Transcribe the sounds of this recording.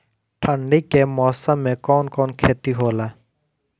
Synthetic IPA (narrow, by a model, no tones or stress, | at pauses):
ʈʰəɳɖikemɔːsə̃mːẽkɔːnkɔːnkʰeːt̪iɦoːlaː